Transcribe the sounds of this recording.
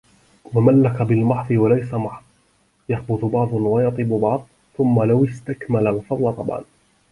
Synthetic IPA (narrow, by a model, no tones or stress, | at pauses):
wamalːakabɪlmɑħðˤɨwalajsamɑħðˤ | jaxbʊθʊbɑʕðˤʊnwajɑt̪ˤiːbʊbɑʕðˤ | θʊmːalawɪst̪akmalalfɑd̪ˤlɑt̪ˤɑ̰bʕɑ̰n